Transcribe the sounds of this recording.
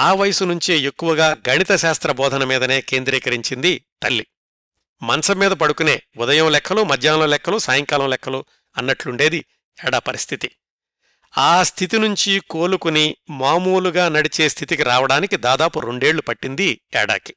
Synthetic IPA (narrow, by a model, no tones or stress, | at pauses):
aːʋɐjɐsunuɲt͡ʃiekːuʋɐɡaːɡʱɐɳit̪ɐʃaːst̪ɾɐbɔːd̪ʱɐnɐmiːd̪ɐne̞ːke̞ːnd̪ɾiːkɐɾiɲt͡ʃind̪it̪ɐlːi | mɐnɐsɐmːiːd̪ɐpɐɽukune̞̰ːud̪ɐjɐmlɛkʰːɐloːmɐd̪ʱjaːlɐːlɛkʰːɐluːsaːjɐŋkaːlɐ̃mlɛkʰːɐluː | ɐnːɐʈluɳɖe̞ːd̪i | ɛːɽaːpɐɾist̪ʰit̪i | aːst̪ʰit̪inuɲt͡ʃiko̞ːlukunimaːmuːluɡaːnɐɽit͡ʃeːst̪ʰit̪ikiɾaːʋɐɽaːnikid̪aːd̪aːpuɾe̞ɳɖe̞ːɭːupɐʈːind̪iɛːɽa̰ːki̥